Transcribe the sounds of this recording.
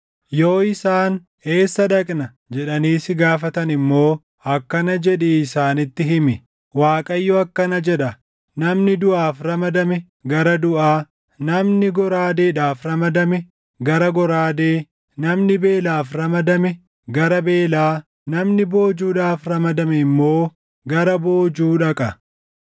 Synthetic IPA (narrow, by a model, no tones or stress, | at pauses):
jo̞ːɪsaːn | e̞ːsːɐᶑɐkʼnɐ | d͡ʒɛᶑɐniːsɪɡaːfɐt̪ɐnɪmːo̞ː | ɐkːɐnɐd͡ʒɛᶑɛːsaːnɪt̪ːɪɦɪmɪ | waːkʼɐjːoɐkːɐnɐd͡ʒɛᶑɐ | nɐmnɪd̪ʊʔaːfɾɐmɐd̪ɐmɛ | ɡɐɾɐd̪ʊʔaː | nɐmnɪɡɔɾaːd̪eːᶑaːfɾɐmɐd̪ɐmɛ | ɡɐɾɐɡɔɾaːd̪eː | nɐmnɪbe̞ːlaːfɾɐmɐd̪ɐmɛ | ɡɐɾɐbe̞ːlaː | nɐmnɪbo̞ːd͡ʒuːᶑaːfɾɐmɐd̪ɐmɛɪmːo̞ː | ɡɐɾɐbo̞ːd͡ʒuːᶑɐkʼɐ